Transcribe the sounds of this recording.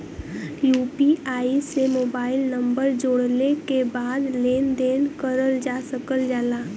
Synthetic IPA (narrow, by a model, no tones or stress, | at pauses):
juːpiʔaːisemoːbaːɪlnə̃mbəɾd͡ʒoːɽnekebaːd̪leːnd̪eːnkəɾəld͡ʒaːsəkəld͡ʒaːlaː